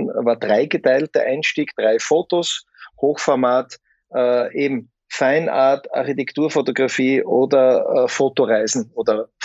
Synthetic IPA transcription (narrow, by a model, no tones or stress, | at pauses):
nvaːɐd̥ʁaɪɡətʰaɪltə̰ʔaɪnʃtiːɡd̥ʁaɪfoːtos | hoːxfɔɐmaːt | ʔɛːʔeːbm̩ | faɪnʔa̰ɐta̰ɐxitɛktuːɐfotoɡʁafiːʔoːdɐfoːtoʁaɪzn̩oːdɐf